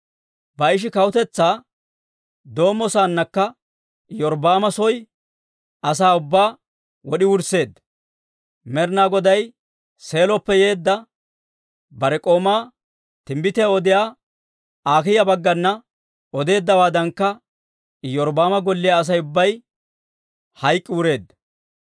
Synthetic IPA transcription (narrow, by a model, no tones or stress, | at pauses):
bɐɪʃ̬ɪkɐwʊt̪ɛt͡sːaː | d̪o̞ːmːɔsaːnːɐkːɐ | jɔɾbaːmɐsɔj | ɐs̬aːʊbːaː | wɔɗɪwʊɾse̞ːd̪ːɐ | mɛɾnaːɡɔd̪ɐj | se̞ːlɔpːɛje̞ːd̪ːɐ | bɐɾɛkʼo̞ːmaː | t̪ɪmbɪt̪ɛɔd̪ɪjaː | aːkɪjɐbɐɡːɐnːɐ | ɔd̪e̞ːd̪ːɐwaːd̪ɐŋkːɐ | jɔɾbaːmɐɡɔlːɪjaːs̬ɐjʊbːɐj | hɐjkʼːɪːɾe̞ːd̪ːɐ